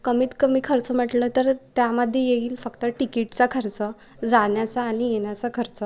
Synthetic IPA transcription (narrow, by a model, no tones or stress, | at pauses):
kəmiːt̪kəmiːkʰəɾt͡səm̤əʈlət̪əɾt̪jaməd̪ʱːjejeʋiːlfəkt̪əʈikiʈt͡sakʰəɾt͡sə | d͡zaɳjat͡saːɽ̃ijeɳjat͡səkʰəɾt͡sə